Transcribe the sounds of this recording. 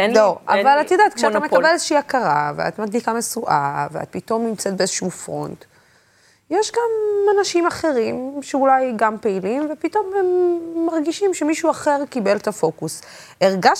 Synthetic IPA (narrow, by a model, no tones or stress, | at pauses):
loʔa̰valattjod̪at̪kʃeat̪aame̞abelezeʃiiakaʁa̰vea̰t̪mad̪likamesuʔa̰vea̰t̪̚pito̞mnimt͡set̚beezeʃufʁo̞̰nt | jeʃɡamanaʃimaχe̞ʁimʃeulajɡampe̞ilimvepito̞memːaʁɡiʃimʃemiʃuaχe̞ʁkibe̞lt̪afo̞kus | eʁɡaʃ